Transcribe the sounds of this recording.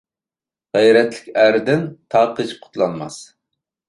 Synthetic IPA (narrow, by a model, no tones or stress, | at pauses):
ʁɛjɾɛt̪lɪ̥kʲæɾd̪ɪnt̪ʰɑːqət͡ʃqʰʊ̥t̪lˠɑnmɑ̰s